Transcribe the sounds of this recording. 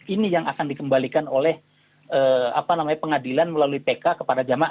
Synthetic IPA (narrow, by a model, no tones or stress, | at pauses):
inijaŋʔa̰kandikəmbalikanolɛh | əːa̰panamaɲapəŋadilanməlaluipekakəpadad͡ʒama